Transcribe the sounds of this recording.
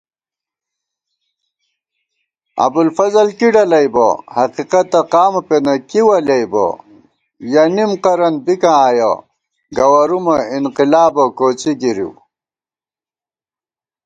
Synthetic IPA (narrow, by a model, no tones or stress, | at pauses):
ɐ̰bulfɐzɐlkiɖɐlɐjbo̰hɐqiqɐt̪ɐqaːmɐpenɐkiwɐlɐjbo̰ | jɐnimqɐɾɐnbikãaːjɐ̰ | ɡɐwɐɾumɐinqilaːbɐkoːt͡ɕiɡiɾḭw